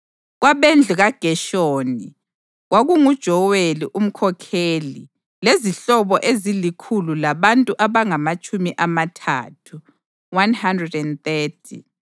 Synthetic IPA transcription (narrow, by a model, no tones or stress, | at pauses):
ɣwaβend͡ɮʱuɣaɡ̥ʱɛʃoːni | ɣwaɣuŋud̥ʒ̥ʱɔweliʔum̩kʰɔkʰeli | leziɬɔβɔʔezilikʰululaβantʼuʔaβaŋamat͡ʃʼumiʔamatʰa̰ːtʰu | wanhandrɛdɛnθɛːtʰḭ